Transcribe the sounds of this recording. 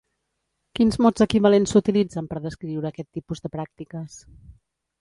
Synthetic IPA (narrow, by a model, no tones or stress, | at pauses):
kinzmɔz̥əkiβəlensut̪ilid͡zəmpəɾðəskɾiwɾəːkɛt̪ːipuzðəpɾak̚t̪ikəs